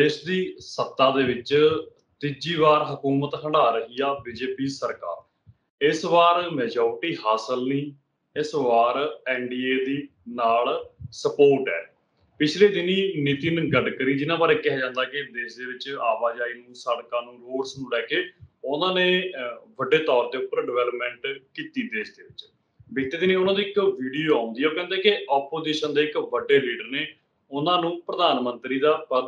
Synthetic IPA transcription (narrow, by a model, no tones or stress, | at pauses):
d̪eːʃd̪iːsət̪ːãːd̪eːʋɪt͡ʃ | t̪ɪd͡ʒiːʋaːɾɦəkuːmət̪ɦə̃ɳɖaːɾəɦiːaːbiːd͡ʒeːpiːsəɾka̰ːɾ | ɪsʋaːɾmɛːd͡ʒɔːɾʈiːɦaːsəlniː | ɪsʋaːɾɛːɳɖiːeːd̪iː | naːlsəpoːɾʈɛ̰ː | pɪt͡ʃʰleːd̪ɪniːnit̪iːnɡəɖkəɾiːd͡ʒɪnãːbaːɾɛːkɪɦɛːd͡ʒãːnd̪aːkɪd̪eːʃd̪eːʋɪt͡ʃaːʋaːd͡ʒaːiːnũːsəɽkãːnũːloːɖsnũːlɛːkeːʊnãːnẽːʋəɖeːt̪ɔːɾd̪eːʊpːəɾɖɪʋɛːləpmɛ̃ːɳʈkiːt̪iːd̪eːsd̪eːʋɪt͡ʃ | ʋɪɡt̪eːd̪ɪneːʊnãːd̪iːɪkʋiːɖijoːaːʊ̃nd̪iːɛoːkɛ̃ːnd̪eːkɪɔːpoːziːʃənd̪eːɪkʋəɖːeːliːɖəɾneː | ʊnãːnũːpɾəd̪aːnmə̃nt̪ɾiːd̪aːpə